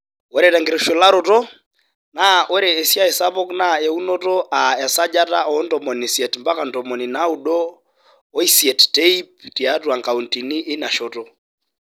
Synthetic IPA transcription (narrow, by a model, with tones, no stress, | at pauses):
o˨ɾɛta˨ŋɡe˨ɾo˨ʃo˨la˦ɾo˨tɔ˦ | na˦ʔo˦ɾeː˨sja˦e˨sa˦βɔ˦kna˦ɛ˨u˦no˦tɔ˦ʔa˨ɛ˨sa˦d͡ʒa˦ta̰˦ɔ˦ntɔ˨mɔ˨nisjɛ˨tmba˦ka˨ntɔmɔ˨ni˨na˦u˨ɗɔː˦ | i˦sjɛ˨ttei˦p̚ti˨atwa˨ŋka˨u˨nti˨ni˦ʔːna˨ʃɔtɔ